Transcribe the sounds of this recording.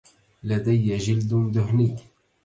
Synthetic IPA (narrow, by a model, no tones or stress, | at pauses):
lad̪ajːʒɪld̪d̪ʊɦniː